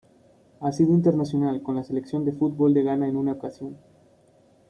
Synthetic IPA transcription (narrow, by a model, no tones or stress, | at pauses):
asiðoint̪e̞ɾnasjo̞nalko̞nlase̞leksjo̞nd̪e̞fut̪̚bo̞ld̪e̞ɣanaenunaokasjo̞n